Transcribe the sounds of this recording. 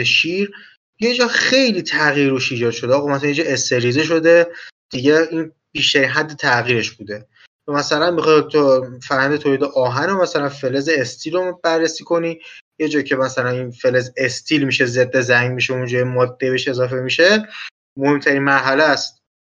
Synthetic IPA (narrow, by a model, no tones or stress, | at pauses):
eʃiːɾ | je̞d͡ʒɒːxe̞jliːt̪ʰæɣiːɾuʃiːd͡ʒɒːd̪ʃod̪eɒːɣɑmæsælænjed͡ʒe̞st̪e̞ɾizeʃ̬o̞d̪e̞d̪̥iɟeiːn | biːʃt̪æɾiːnɦæd̪ːet̪ʰæɣiːɾe̞ʃbuːd̪e̞ | jomæsælænmixɒːt̪ʰfæɾhænd̪et̪ʰoːliːd̪eʔɒːɦænomæsælænfe̞lezeːst̪ʰiːlobærːesiːkʰo̞niːje̞d͡ʒɒːcʰe̞mæsælæniːnfelezest̪ʰiːlmiʃezed̪ːezæŋmiʃeund͡ʒɒːjemɒːd̪ːebeʃe̞zɒːfe̞miʃe̞ | mo̞he̞mt̪ʰæɾinmæɾɦælæst̪̚